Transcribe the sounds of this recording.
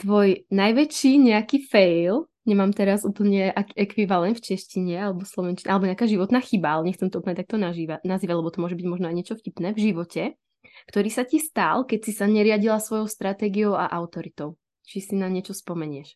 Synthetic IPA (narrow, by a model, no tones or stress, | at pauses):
t̪ʋɔjnajʋɛt͡ʃiːɲɛakifɛjl | ɲɛmaːmt̪ɛɾazuːpl̩ɲɛʔakɛkʋiʋalɛnt̪ft͡ʃɛʃciɲɛalɛbɔslɔʋɛnt͡ʃiɲɛʔalɛbɔɲɛakaːʒiʋɔt̪naːxibaalɛɲɛxtt͡sɛmt̪ɔuːpl̩ɲɛt̪ak̚t̪ɔnaʒiʋanaziːʋalɛbɔt̪ɔmʊɔʒɛbiɟmɔʒnɔajɲɪɛt͡ʃɔfcipnɛːvʒiʋɔcɛ | kt̪ɔɾiːsacist̪alkɛcsisaɲɛɾɪaɟilasʋɔjɔʊst̪ɾat̪ɛːɡiɔʊa̰ʔaʊt̪ɔɾit̪ɔʊ | t͡ʃisinaɲɪɛt͡ʃɔspɔmɛɲɪɛʃ